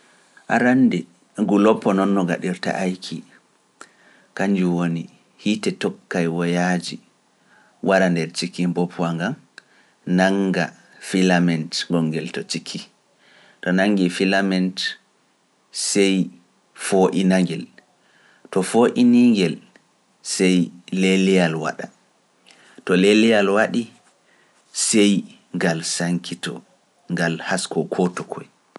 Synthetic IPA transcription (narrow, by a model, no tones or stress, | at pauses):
ʔaɾandɛ | ɡulɔpːɔnɔnːɔɡa̰ɗiɾta̰ʔajkʰi | kaɲd͡ʒuwoni | hitɛtɔkːajwɔjad͡ʒi | wʔaɾandɛɾt͡ʃikːimbɔpʰwaŋɡam | naŋɡa̰ | filamɛntɡɔŋːɡɛltɔt͡ʃikʰːi | tɔnaŋːɡifilamɛnt | sɛj | foʔinaŋɡɛl | tɔfoʔiniŋɡɛl | sɛjlelɛjalwa̰ɗa | tɔlelijalwaɗi | sɛj | ŋɡalsaŋkʰitɔ̰ | ŋɡalhaskɔkʰɔtɔkʰɔ̰j